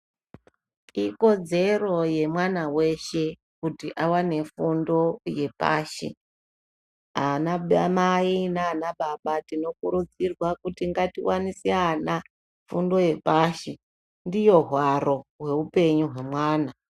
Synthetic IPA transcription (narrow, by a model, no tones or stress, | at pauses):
iko̞d͡ze̞ro̞je̞mwanawe̞ʃe̞ | kutiʔawane̞fundo̞je̞pa̰ːʃḭ | anaɓamainaːnaɓaɓatino̞kuɾud͡zirwakutiŋɡatiwanisiana | fundo̞je̞paːʃi | ndijo̞ɦwaɾo̞ɦwe̞upe̞ɲuɦwe̞mwaːna